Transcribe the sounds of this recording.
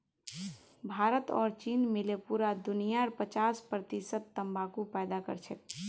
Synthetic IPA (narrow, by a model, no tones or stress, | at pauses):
bʱaːɾət̪ɔ̰ːɾt͡ʃinmɪlepuːɾad̪ʊnijaɾpət͡ʃaːspɾət̪isət̪̚ːəmbʱakupɛːd̪akə̰ɾt͡ʃʰɛt̪